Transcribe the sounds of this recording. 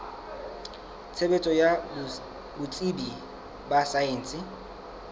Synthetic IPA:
t͡sʰebet͡sʼɔja | bʊt͡sʼibi | basaeːn̩ːsɪ

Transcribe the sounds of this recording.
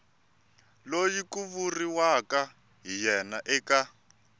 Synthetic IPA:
lojikuβuriwaka | ɦijɛnaʔɛka

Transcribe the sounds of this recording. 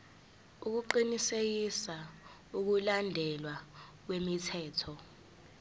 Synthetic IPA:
uk̬uǃinisek̬isa | uk̬ulandʱɛlwak̬wemitʰɛːtʰɔ

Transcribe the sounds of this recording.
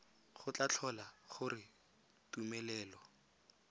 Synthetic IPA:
χʊt͡ɬat͡ɬʰɔlaχʊɾɪ | tumɛlɛːlɔ

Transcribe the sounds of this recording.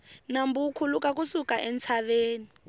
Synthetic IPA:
nambukʰulukak̬usukaʔɛnt͡sʰaβeːni

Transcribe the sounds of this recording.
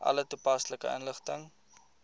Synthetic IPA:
ʔɐ̰lətupɐsləkəənləχtəŋ

